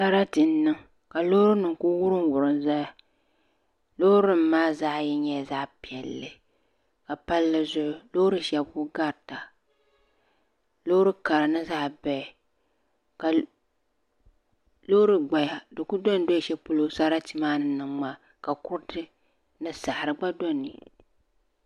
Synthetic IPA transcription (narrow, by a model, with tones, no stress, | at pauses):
sa˦ɾa˦tɨ˨n˦nɨ˦ŋ | ka˨loː˦ɾɨ˦nɨ˨ŋkʊ˦wʊ˦ɾɨ˦ŋwʊ˨ɾɨ˨n˦za˦ja˨ | lo˦hɾɨ˦m̩˦maː˦za˦jɛ˦ɲɛ˦˨za˦ʔpi˨ɛ˨lːɨ˨ | ka˨pa˦lːɨ˦zʊ˦ʔʊ˦lo˦ɾɨ˦ʃɛ˨bkʊ˦ɡa˦ɾta˨ | lo˦ɾɨ˦ka˨ɾa˨nɨ˦za˦˨bɛ˨ | ka˨ | lo˦ɾɨ˦ɡ͡ba˨ja˨dɨ˨kʊ˦do˦n˦do˦˨ʃɛ˦pʊ˦lo˦sa˦ɾa˦ti˦maː˦nɨ˨nɨ˨ŋma˦ | ka˨kʊ˦ɾtɨ˦ | nɨ˦sa˨ʔɾɨ˨ɡ͡ba˦do˦˨nḭ˨